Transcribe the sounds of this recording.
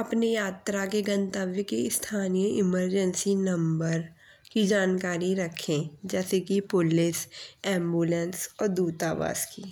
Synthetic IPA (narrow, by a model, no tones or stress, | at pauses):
ɐpnejaːt̪ɾakeɡɐ̃nt̪aːʋjəkeɪst̪ʰaːnijəʔɪməɾd͡ʒənsinɐ̃mbəɾ | kid͡ʒaːnkaːɾiɾɐkʰẽd͡ʒɛːsekipʊlɪsɛ̃ːmbuːlə̃nsɔːɾd̪uːt̪aːʋa̰ːskiː